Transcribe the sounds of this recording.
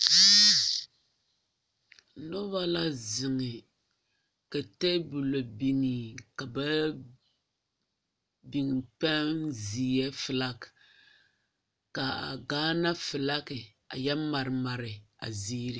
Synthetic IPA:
nɔ˦ba˦la˦zɪ˨ŋɪ˨ | ka˨tɛ˦bu˨lo˨bi˨ni˨ka˨ba˦ | bi˨ŋ˨pɛ˦nziː˨jɛ˦fɨ˨la˦k | ka˨ɡaː˦na˦fɨ˨la˦kɪ˨ | a̰˨jɛ˦ma˨ɾɪ˨ma˨ɾɪ˨a̰˨ziː˦ɾi˦

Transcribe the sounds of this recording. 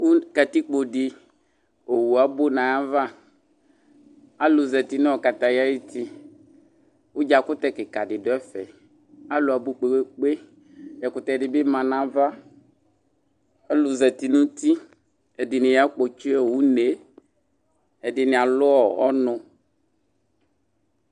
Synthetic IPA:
ku˦kɛ˨t̪i˦k͡po˨ɖɪ˨ | o˨wu˨a˨bo˦nã˨ja˦va˦ | a˦lu˨zɛ˨t̪i˨nɛ̃˦ɔ˨ka˨t̪a˨ja˦ji˦t̪i˦ | wo˦d͡ʒa˨kʊ˦t̪ɛ˦kɪ˨ka˨ɖɪ˨ɖɔ˨ɛ˦fɛ̰˨ | a˦lo˨a˨bo˦k͡pe˨ɡ͡be˦k͡pe˦ | jɛ˨kʊ˦t̪ɛ˦˨dɪ˨be˦mã˨nã˦va˦ | a˦lu˨zɛ˨t̪i˨nũ˦t̪i˦ | e˨dɪ˨nɪ̃˨ja˦k͡po˨t͡ʃi˦ɛ˨wu˦ne˨ | e˨dɪ˨nĩ˨a˨lʊ˦ɔ˨ɔ˦nɔ̃˨

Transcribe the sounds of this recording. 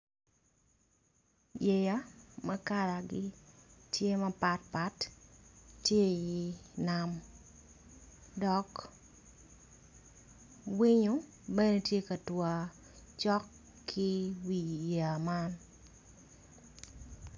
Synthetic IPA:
je˨ja˦mɐ˦ka˦ɾa˨ɡɪ˦tje˦mɐ˦pa˦t̚pa˦t | tje˦jɪ˦nam | dɔ˨k | wi˦ɲo˦ | bɛ˦ne˨tje˦ka˨twa˨ | t͡ʃɔ˦kʰː | ɪ˦wi˨ja˨ma˦n

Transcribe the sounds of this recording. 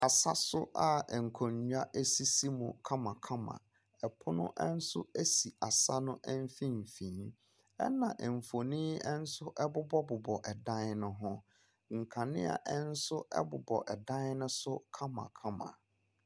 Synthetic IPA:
a˨sa˦sʊ˦ʔa˨ŋ̩˨kʰɔ˨ɲ˨˦a˦ʔe˦si˦si˦mʊ̃˨kʰa˦mã˨kʰa˦mã̰˨ | ɛ˨pʰʊ˦nʊ̰̃˦ʔɛ˦n̩˦sʊ˦e˦si˨a˨sa˦nʊ̃˦ʔɛ˦m˦fĩ˦m̩˨fĩ˨˦ | ɛ̰˦nã˨ʔɛ˨m̩˨fo˨nĩ˦ɛ˦n̩˦sʊ˦ʔɛ˦bʊ˦bɔ˦bʊ˨bɔ˨ʔɛ˨dã˦n˦nʊ̃˦ɦʊ̃˦ | ŋ̩˨kʰã˨nɪ̰̃˦a̰˨ʔɛ˦n̩˦sʊ˦ɛ̰˦bʊ̰˨bɔ̰˨ʔɛ˨dã˦n˦nʊ̃˦sʊ˦kʰa˦mã̰˨kʰa˦mã̰˨

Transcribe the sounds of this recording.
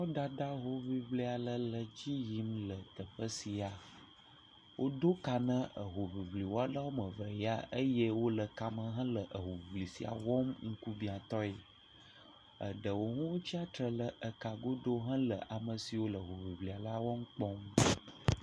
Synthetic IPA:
ɔ˦ɖa˦ɖa˦ɦo˨vi˨vli˦a˨lə˦lə˨d͡ʑi˦ji˨˦mlə˨t̪ə˨ɸə˦si˨a˨ | wʔo˦d̪o˦ka˨nə̃˦ə˨ɦo˨vi˨vli˨wo˦a˦la˦wo˦mə̃˨və˨˦a̰˦ʔə˦jɛ˦wo˦lə˨ka˨mə̃˨ɦə̃˦lə˨ʔə˨ɦo˨vi˨vli˨si˨a̰˨wɔ˦mŋ̩˦ku˦bĩ˨a˨t̪ɔ˦e˨ | ə̰˨ɖə˨wo˨ɦũ˦wo˦t͡ɕi˦a˦t̪ɾə˨lə˨ʔə˨ka˨ɡo˦ɖ̪o˦ɦə̃˦lə̰˨ʔa˨mə˨si˨wo˦lə˨ɦo˨vi˨vli˨a˨la˦wɔ˦m̩˦k͡pɔ˦m

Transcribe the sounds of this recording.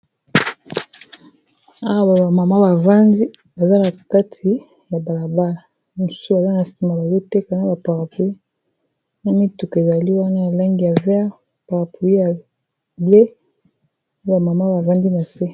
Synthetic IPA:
a˦wa˦ba˨ba˨ma˨ma˦ba˨va˦ndi˦ | ba˨za˦na˨ka˦tʰi˨ | ja˨ba˨la˨ba˦la˨ | mu˨su̥˦su˦ba˨za˦na˨sti˨ma˨ba˨lo˦te˦ka˨˦na˦ba˨pa˨ʁa˨pu˨i˦ | na˦mi˦tu˨ke˨za˨li˦wa˦na˦ja˨la˦ŋɡi˨ja˨vɛ˦a˦˨ | pa˨ʁa˨pu˨i˦ja˨ | be˦ | a˦ba˨ma˨ma˦ba˨va˦ndi˦na˨se˦

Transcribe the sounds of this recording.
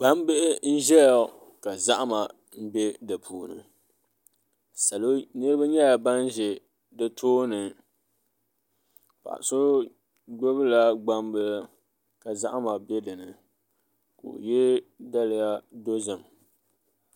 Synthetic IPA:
ba˦m˦bɨ˦ʔɪ˦n̩˦ʒɛ˦jɔ˨ | ka˨za˦ʔa˦ma˨ | m̩˦bɛ˦dɨ˨pʰuː˨nɨ̰˨ | sa˨lo˦nɨ˦ɾɨ˦ba˦ɲɛ˦a˨ba˦n˦ʒɛ˨ | dɨ˦tʰoː˦nɨ˨ | pa̰˨ʔa̰˨so˦ | ɡ͡bo˦bɨ˦la˦ɡ͡ba˦m˦bɨ˦ | ka˨za˦ʔa˦ma˨bɛ˦dɨ˨nɨ˨ | ko̰˨jɛ˦da˦lɪ˦ja˦do˦zɨ˨m

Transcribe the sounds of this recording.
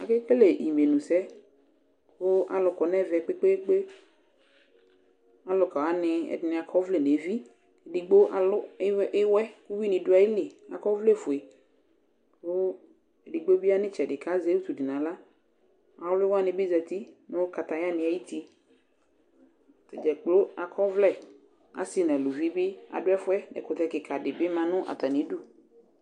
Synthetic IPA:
a̰˨ke˦ke˦le˨i˨me˨nũ˨sɛ˦ | kʊ˦ʔa̰˨lʊ˨kɔ˨nɛ˦˨vɛ˨k͡pe˦k͡pe˦ɡ͡be˦ | a˨lʊ˨ka˨wa˨˦nɪ˨ɛ̰˨dɪ˨nɪ̃˨a˨kʰɔ˦vle˨ne˨˦vi˦ | e˨di˨ɡ͡bo˦ʔa˨lʊ˦ɪ˦wɛ˦ku˦wi˦nɪ̃˨dʊ˦a˨˦ji˦lɪ˨a̰˨kɔ˦vle˦fʊ˨e˨ | ko˦ | e˨di˨ɡ͡bo˦bi˦a˦nɪ̃˦t͡ʃɛ˨dɪ˨ka˦ze˦wu˦t̪u˨dɪ˨nã˨la˦ | a˨lʊ˦lɪ˦wa˦nɪ̃˨bɪ˦zɛ˨t̪i˦nʊ̃˦ka˨t̪a˨ja˦nɪ̃˨a˨ji˦t̪i˦ | t̪ɛ˨d͡ʒɛ˨k͡plo˦a˨kʰɔ˦vlɛ˦˨ | a̰˨˦sɪ˦nã˨lʊ˨vi˦bɪ˦a̰˨dʊ˦ɛ˦fʊ˦ɛ˦nɛ̰˨kʊ˨t̪ɛ˦kɪ˨kʰa˨dɪ˨bɪ˦mã˨nʊ̃˦ʔa̰˨t̪a˨nĩ˨˦du˦

